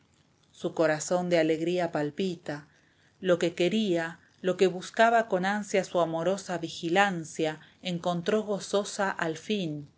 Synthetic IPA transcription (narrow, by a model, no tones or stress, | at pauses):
suko̞ɾaso̞nd̪eale̞ɣɾiapalpit̪a | loke̞ke̞ɾia | lo̞ke̞βuskaβako̞nansjasuamo̞ɾo̞saβixilansjaeŋko̞nt̪ɾo̞ɣ̞o̞so̞saʔalfin